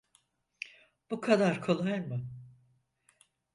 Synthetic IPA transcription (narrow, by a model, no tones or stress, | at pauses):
b̥ukʰad̪aɾkʰolˠajmɯ